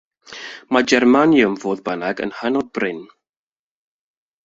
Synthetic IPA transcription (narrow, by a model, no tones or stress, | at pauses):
mad͡ʒɛrmanjʊmvoːðbənaɡə̰nhənɔd̚brɪn